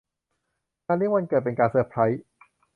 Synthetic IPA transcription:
kaː˧ndi˦˥˩wa˧nkɤː˨˩t̪̚pe˧nkaː˧nsɯː˧˨˩pʰɾa˦˥j

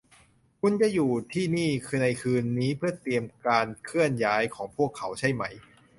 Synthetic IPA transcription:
kʰu˧nt͡ɕa˧˩juː˨˩t̪ʰiː˥˩niː˥˩kʰɯː˧na˧jkʰɯː˧nːiː˦˥pʰɯ˥˩ɐt̪i˧əmkaː˧nkʰɯ˥˩ənjaː˦˥jkʰɔː˩˦ŋpʰu˥˩əkʰːa˩˦wt͡ɕʰa˥˩jma˦˥j

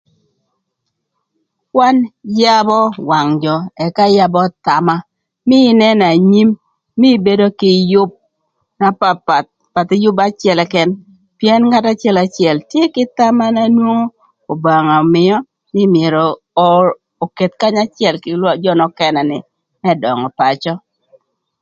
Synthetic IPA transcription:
kwa˦nja˦bɔ˦wa˨ŋd͡ʒɔ˨ɛ˨ka˦ja˦bɔ˦ta˨ma˦ | mɪ˦nɛ˦na˨ɲi˦mː | ɪ˦be˦do˦kɪ˨jʊ˦b̚ | na˦pa˨t̚ | pa˨tɪ˦jʊ˦ba˦t͡ʃɪɛ˨lɛ˨kɛ˦n | pjɛ˦nŋa˦ta˦t͡ʃɪ˦ɛ˦la˨˦t͡ʃjɛ˨ltje˦kɪ˦ta˦ma˦na˦nwo˦ŋo˦ | o˨ba˨ŋa˨mɪ˦ɔ˦ | nɪ˦mjɛ˨ɾɔ˨ | o˨ke˨t̪ka˦ɲa˦t͡ʃɪɛ˨lkɪ˦ld͡ʒɔ˦nɔ˨kɛ˨nɛ˨nɪ˨ | mɛ˦dɔ˨ŋɔ˨pa˨t͡ʃɔ˦

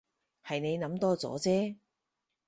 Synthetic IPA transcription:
hɐ˨jne˨˧jnɐ˨˧˥mt̪ɔː˥t͡sɔ̰ː˨˥t͡sɛː˥

